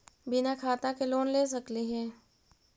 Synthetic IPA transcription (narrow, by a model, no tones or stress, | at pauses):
bɪnakʰaːt̪akeloːnleːs̬ɐkliɦɛː